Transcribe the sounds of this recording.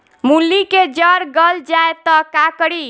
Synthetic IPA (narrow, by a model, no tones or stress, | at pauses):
mulːiked͡ʒəɾɡəld͡ʒaet̪ɔkakəɽi